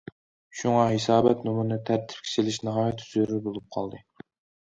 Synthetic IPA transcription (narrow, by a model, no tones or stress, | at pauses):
ʃuŋɑɦesɑːbɛt̪numunɨt̪ʰæɾt̪ʰɪ̥p̚kʲʰe̥t͡ʃɪlɪʃnɨʁɑːjɛt̪ʰːyzyɾybolˠup̚qʰɑlˠd̪ɨ